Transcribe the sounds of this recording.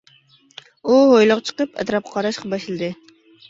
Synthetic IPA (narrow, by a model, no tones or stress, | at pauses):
uɦojlˠɑqt͡ʃʰə̥qəpɛ̰t̪ɾɑp̚qʰɑɾɑʃqɑbɑʃlɨd̪ɨ